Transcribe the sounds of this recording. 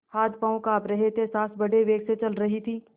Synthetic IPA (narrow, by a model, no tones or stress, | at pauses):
haːt̪paːõkaːpɾɐɦet̪ʰesaːsbɐɽeʋeːɡset͡ʃɐlɾɐɦit̪ʰiː